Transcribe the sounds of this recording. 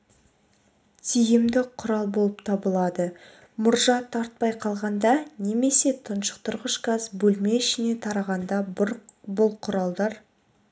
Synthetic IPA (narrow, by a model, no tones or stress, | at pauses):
t̪ʰijɪmd̪ɪqʰːʊɾɑlˠbolˠəpt̪ʰɑbəlˠɑd̪ə | mʊɾʒɑt̪ʰɑɾt̪̚pɑjqʰɑlˠʁɑnd̪ɑne̞me̞se̞t̪ʰənʃə̥qt̪ʰʊɾʁəʃkɑzbɵlme̞ɪʃɪne̞t̪ʰɑɾɑʁɑnd̪ɑ | bʊlˠqʰʊɾɑlˠd̪ɑɾ